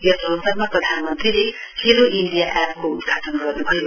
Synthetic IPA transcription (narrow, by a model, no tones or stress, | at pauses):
jʌsʌnsʌrmaprʌd̪ʱanʌmʌnt̪rile | heɾoʔiɳɖijaʔɛp̚koud̪ɡʰʱat̪ʌnɡʌrnubʱʌjo